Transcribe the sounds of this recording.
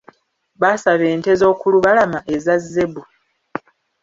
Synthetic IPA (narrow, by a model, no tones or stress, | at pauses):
βasaβe̞ːnte̞zo̞ːkuluβalamaʔezazːe̞bu